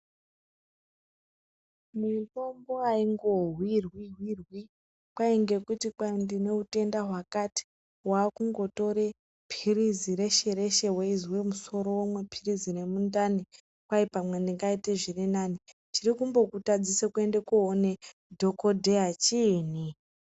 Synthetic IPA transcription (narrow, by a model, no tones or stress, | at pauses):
muto̞mbo̞aiŋɡo̞ɦwirwiɦwirwi | kwaiŋɡe̞kutikwandine̞ute̞ndaɦwakati̥ | waːkuŋɡo̞to̞ɾe̞ | pʰiriziɾe̞ʃe̞ɾe̞ʃe̞we̞izwe̞muso̞ɾo̞womwe̞pʰirizine̞mundani | kwaipamwendiŋɡaiteʐirinani | t͡ʃirikumbo̞kutad͡zisekue̞nde̞kuɦone̞ | dʱokodʱeat͡ʃiːni